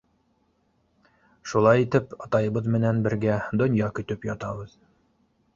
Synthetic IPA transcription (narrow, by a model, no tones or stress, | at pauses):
ʃulˠɑjit̪ɘpɑt̪ɑjɤ̆βɤðmɘ̆nænbɘ̆ɾɡæd̪ŏnjɑkɵ̆t̪ɵpjɒt̪ɑβɤð